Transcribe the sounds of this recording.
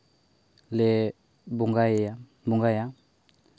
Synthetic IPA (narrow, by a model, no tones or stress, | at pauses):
lɛ | buŋɡaa | buŋɡaja